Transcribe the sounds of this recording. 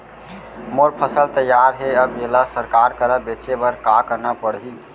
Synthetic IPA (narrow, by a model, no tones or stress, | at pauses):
moɾpʰəsəlt̪əjːaɾɦeəbɡelasəɾkaɾkəɾəbet͡ʃebəɾkakənapəɽɦi